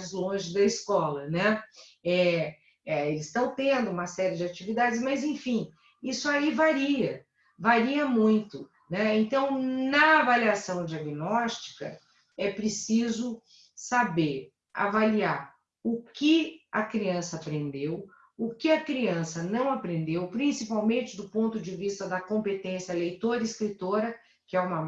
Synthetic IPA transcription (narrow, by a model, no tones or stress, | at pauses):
zlõʒɪd̪ɐiskɔlɐnɛ̃ɛ | ɛelɪst̪ɐ̃w̃t̪ẽnd̪ʊũmɐsɛɾɪd͡ʒɪat͡ʃivid̪ad͡ʒɪsmɐzẽfĩ | isʊaivaɾiɐ | vaɾiɐmũj̃t̪ʊ | nɛẽnt̪ɐ̃w̃nɐavaliasɐ̃w̃d͡ʒiaɡinɔst͡ʃi̥kɐ̰ | ɛpɾɪsizʊ | sabeɾ | a̰valiaɾ | ʊkɪɐkɾiɐ̃sɐapɾẽnd̪ew | ʊkɪɐkɾiɐ̃sɐnɐ̃w̃apɾẽnd̪ewpɾĩsipawmẽnt͡ʃɪd̪ʊpõnt̪ʊd͡ʒɪvist̪ɐd̪ɐkõmpet̪ẽsjɐlejt̪oɾɐɪskɾit̪oɾɐ | kɪɛũmɐ